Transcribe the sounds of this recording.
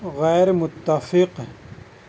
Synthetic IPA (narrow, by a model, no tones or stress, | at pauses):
ɣɛːɾmʊt̪ːafɪq